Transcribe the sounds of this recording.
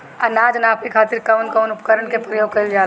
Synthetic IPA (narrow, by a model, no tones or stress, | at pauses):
ɐnaːd͡ʒnaːpekʰaːt̪ɪɾkɐwnkɐʊnʊpkəɾəɳkepɾəjoːɡ̚kɐɾild͡ʒaː